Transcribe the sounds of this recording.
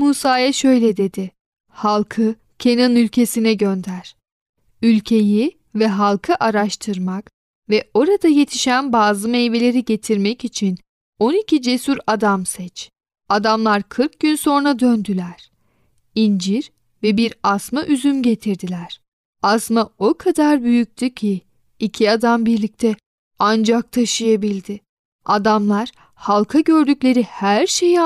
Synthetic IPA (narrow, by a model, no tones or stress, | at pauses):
muːsaːjaʃø̞jlʲɛd̪e̞d̪ɪ | halˠkʰɯ | cʰe̞nanylʲcʰe̞sinɛɟønd̪æɾ̥ | ylʲcʰe̞ji | vɛɦalˠkʰɯʔaɾaʃt̪ʰɯɾmak | vɛo̞ɾad̪aje̞t̪ʰiʃænbaːzɯmejvelʲe̞ɾiɟe̞t̪ʰiɾmɛcit͡ʃʰin | o̞nicʰid͡ʒe̞suɾad̪amsɛt͡ʃ | ad̪amlˠaɾkʰɯɾk̚ɟynso̞nɾad̪ønd̪ylʲæɾ̥ | ind͡ʒiɾ | vɛbiɾasmaʔyzymɟe̞t̪ʰiɾd̪ilʲæɾ̥ | asmao̞kʰad̪aɾbyjyc̚ʲt̪ʰycʰiː | cʰiad̪ambiɾlʲic̚t̪ʰɛ | and͡ʒak̚t̪ʰaʃɯjabilʲd̪ɪ | ad̪amlˠaɾ̥ | halˠkʰaɟø̞ɾd̪ycʲlʲe̞ɾihæɾʃe̞j